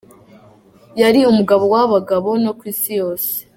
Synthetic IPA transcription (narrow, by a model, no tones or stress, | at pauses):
jaɾiumuɡaβo̞waβaɡaβo̞no̞kwiːsijo̞ːse̥